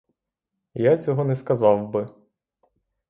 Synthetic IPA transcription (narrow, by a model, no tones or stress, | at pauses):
jat͡sʲɔɦɔnɛskɐzɑwbɪ